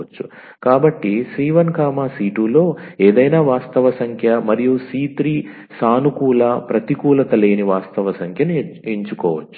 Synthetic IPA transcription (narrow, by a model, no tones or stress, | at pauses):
t͡ʃːu | kaːbɐʈːisiːʋɐnkaːmaːsiːʈulo̞ːeːd̪ɐjnaːʋaːst̪ɐʋɐsɐŋkʰjɐmɐɾijusiːt̪ɾiː | saːnukuːlɐpɾɐt̪ikuːlɐt̪ɐle̞ːniʋaːst̪ɐʋɐsɐŋkʰjɐnueɲt͡ʃukɔːʋɐt͡ʃː